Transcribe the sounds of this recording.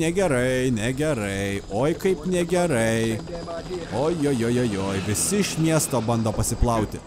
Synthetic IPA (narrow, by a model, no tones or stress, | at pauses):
nʲɛɡʲɛɾɐɪnʲɛɡʲɛɾɐɪoːjkɐɪpnʲɛɡʲɛɾɐɪ | oːjjoːjoːjoːjoːjʋʲɪsʲɪɪʃmʲiɛst̪oːbɐnd̪oːpɐsʲɪplˠɐʊt̪ʲɪ